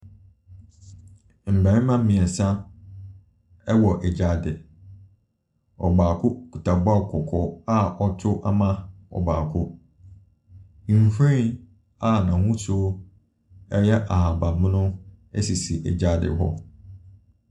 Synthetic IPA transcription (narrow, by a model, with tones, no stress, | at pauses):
m̩˨bæ̃˨˦mã˦m̩˦mĩ˨ɛ˨sã˦ | ɛ˦wɔ˨ʔɛ˨d͡ʑa˨˦dɪ˨ | ɔ̰˨baː˨kʰʊ˦ku˨tʰa˨ba˦˨kʰɔ˨kʰɔ˨a˦ʔɔ˦tʰʊ˦ʔa˦mã˦ɔ̰˨ba̰ː˨kʰʊ˦ | ĩ˨m˨fẽ˦ | a˦nã˨hũ˦so˦ | ɛ˦jɛ˦ʔa˨ha˨ba˨mɪ̃˦nʊ̃˦ | ɛ̰˦si˨si˨ʔɛ̰˨d͡ʑa˦dɪ̰˨ɦɔ̰˦